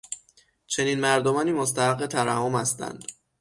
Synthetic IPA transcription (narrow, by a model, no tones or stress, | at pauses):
t͡ʃʰe̞niːnmæɾd̪omɒːniːmos̬t̪ʰæhæɢet̪ʰæɾæmɒːmhæst̪æ̰nd̪̥